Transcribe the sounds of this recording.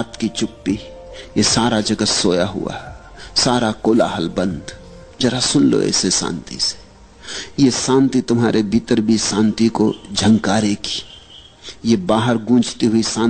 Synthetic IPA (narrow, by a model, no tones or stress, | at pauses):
aːt̪kit͡ʃʊpːi | jesaːɾad͡ʒɐɡəsoːjaɦʊ̰a̰ɦɛ | saːɾakoːla̰ɦɐlbə̃nd̪ | d͡ʒɐɾasʊnlo̰ɛ̰ːsesã̰ːnt̪ḭse̥ | jesãːnt̪it̪ʊmɦaːɾʔebʱit̪əɾbʱisãːnt̪ikod͡ʒʱə̃ŋkaːɾeki̥ | jebaːɦəɾɡũːt͡ʃt̪iɦʊisãː